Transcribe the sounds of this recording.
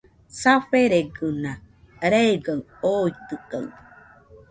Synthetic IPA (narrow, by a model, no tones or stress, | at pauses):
saɸeɾeɡɯna | ɾeeɡaŋ | oit̪ɯka̰ŋ